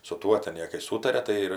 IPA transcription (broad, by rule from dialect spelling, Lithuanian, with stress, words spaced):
sʊ ˈtuɔ tʲɛn ˈjeː kɐɪ ˈsuːtɐrʲɛ tɐɪ ˈɪr